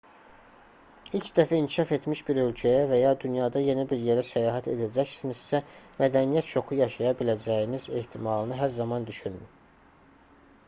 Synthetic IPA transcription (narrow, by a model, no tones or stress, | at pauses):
ilcd̪æfæiŋcʰiʃɑfe̞t̪miʃbiɾø̞lcʰæjævæjɑd̪ynjɑd̪ɑje̞nibiɾje̞ɾæsæjɑːɦæt̪ʰe̞̰d̪æd͡ʒæçsinizsæmæd̪ænijæt̪t͡ʃʰo̞xujɑʃɑjɑbilæd͡ʒæjinize̞ht̪ʰimɑlˠɯnɯɦæɾzɑmɑnd̪yʃynyn